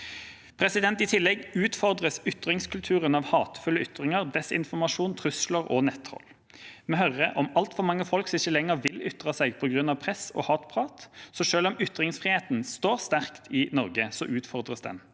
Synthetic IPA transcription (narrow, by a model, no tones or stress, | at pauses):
pʰʁɛsɪd̪ɛnt̪ɪt̪ʰɪlːɛɡʉːt̪fɔʁd̪ʁəsʏt̪ʁɪŋskʰʉlt̪ʰʉːʁənɑːʋhɑːt̪fʉlːəʏt̪ʁɪŋəʁd̪ɛsɪ̰nfɔmɑʂuːnt̪ʰʁʉsləʁɔ̰nɛt̪hɔ̰lː | mɛːhœʁəʔɔmɑlt̪fɔʁmɑŋːəfɔlksɪçːəlɛŋːəʁʋɪlʏt̪ʁɑsɛɡpʰɔɡʁʉnɑʋpʰʁɛsɔ̰ːhɑːt̪pʰʁɑːt̪sɔʂøːlɔmʏt̪ʁɪŋsfʁɪheːt̪n̩st̪oːʁst̪æʁkt̪ʰɪnɔʁɡəsɔʔʉːt̪fɔʁd̪ʁəsd̪ɛ̰n